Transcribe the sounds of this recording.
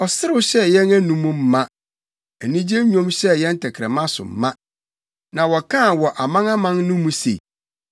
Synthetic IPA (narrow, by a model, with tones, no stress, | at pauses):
ɔ˨sɪ˦ɾɪ˦wɕɛ˦jɛ̃˦næ˦nũ˨mũ˦m̩˦mã˦ | æ˨nĩ˦d͡ʑe˦ɲᶣõ˦mɕɛ˦jɛ̃˦n̩˦tʰɛ˨kʰɾɛ̰˨mã˦sʊ̰˨m̩˨mã˦ | nã˨wɔ˨kʰã˦˨wɔ˨ʔa˨mã˦ŋã˦mã˦ŋnʊ̃˦mũ˦sḛ˨i˨